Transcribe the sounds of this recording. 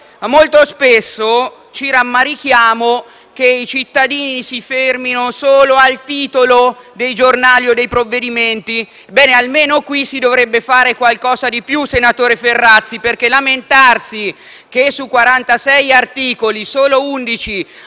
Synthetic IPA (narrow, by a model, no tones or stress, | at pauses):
molt̪ospesːo | t͡ʃiɾamːaɾik̟jaːmo | k̟eit͡ʃit̪ːad̪iːnisiferminosoːloalt̪iːt̪olod̪ejd͡ʒornaːljod̪ejpɾovːed̪iment̪i | bɛːnealmeːnokwisid̪ovɾebːefaːɾekwalkɔːzad̪ipjusenat̪oːɾeferːat̪sːiperkelament̪arsi | k̟esukːwaɾant̪asɛjart̪iːkolisoːlound̪it͡ʃi